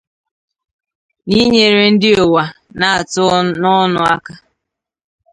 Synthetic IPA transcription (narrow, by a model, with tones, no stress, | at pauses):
ni˦ɲe˨ɾɪ˨n̩˦dɪ˦o˨wa˨na˨a˨tʊ˦nɔ˦nʊ˨a˦ka˦